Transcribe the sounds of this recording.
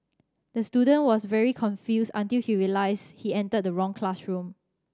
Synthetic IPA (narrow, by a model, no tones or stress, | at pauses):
d̥əstudə̃nwɔsvɛɹikʰɔ̃nfjusãntilhiɹilaɪshiɛ̃ntəd̚dəɹɔ̃ŋkʰlasɹũm